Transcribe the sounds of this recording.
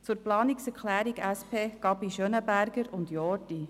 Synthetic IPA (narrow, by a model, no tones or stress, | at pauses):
t͡sʊːɾplɑːniksɛɾklæːɾiɡæspʰeːɡ̥ɑbiʃøːnəbæɾɡəɾʊnd̪jɔːti